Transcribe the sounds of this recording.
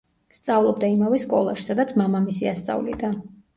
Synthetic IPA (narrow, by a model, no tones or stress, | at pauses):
st̪sʼavlˠɔbd̪aimavɛskʼɔ̰lˠa̰ʃi̥sad̪at̪sʰmamamisiast̪sʼa̰vlḭd̪a